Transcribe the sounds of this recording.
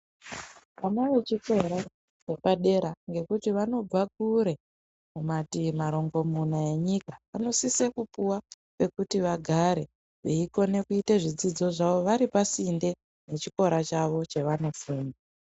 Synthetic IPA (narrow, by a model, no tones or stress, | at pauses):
ʋamaʋe̞t͡ʃiko̞ɾa | t͡ʃe̞paɗe̞ɾaŋɡe̞kutiʋano̞b͡vak̚uɾe̞ | mumatimaɾo̞ŋɡo̞munae̞ɲikaʋano̞sisekupuwa | pe̞kutiʋaɡʱaɾe̞ | ʋeiko̞ne̞kuiteʐid͡zid͡zo̞ʐaʋo̞ʋaɾipasinde̞ | ne̞t͡ʃiko̞ɾat͡ʃaʋo̞t͡ʃe̞ʋano̞fuːna